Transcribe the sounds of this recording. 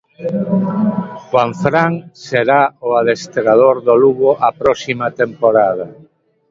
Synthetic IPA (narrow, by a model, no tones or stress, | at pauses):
waɱfɾaŋseɾaoaðest̪ɾað̞oɾðoluɣoʔapɾɔsimat̪empoɾað̞ɐ